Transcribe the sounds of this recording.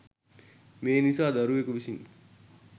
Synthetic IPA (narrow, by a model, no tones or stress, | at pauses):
meːnisaːd̪ɐɾuʋekuʋisin